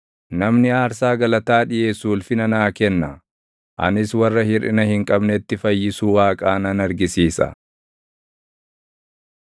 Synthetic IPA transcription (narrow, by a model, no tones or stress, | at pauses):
nɐmnɪaːɾs̬aːɡɐlɐt̪aːᶑɪʔeːsuːlfɪnɐnaːkɛnːɐ | ʔɐ̰nɪswɐrːɐhɪɾɪnɐhɪŋkʼɐbnɛt̪ːɪfɐjːɪsuːwaːkʼaːnɐnɐɾɡɪsiːsɐ̰